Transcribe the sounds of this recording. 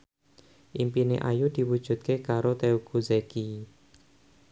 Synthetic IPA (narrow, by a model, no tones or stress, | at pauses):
ʔimpinḛʔajud̪̥i̤wud̥ʒ̥ṳt̪̚kekaɾot̪euɡ̥uzeki